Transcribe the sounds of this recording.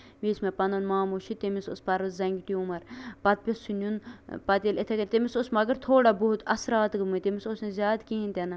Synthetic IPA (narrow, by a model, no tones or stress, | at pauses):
miːsmepɐnd̪onmaːmuʃʰit̪emisospɐɾʋɐzɐŋɡʲʈiumɐɾpɐt̪̚pʲesunʲunpɐt̪elet̪ʰekɐnt̪emisosmɐɡɐɾt̪ʰoːɽaboɦut̪ɐsɾaːt̪ɡɨmut̪emisosnezʲjaːd̪kiːint̪ʲɐnɐ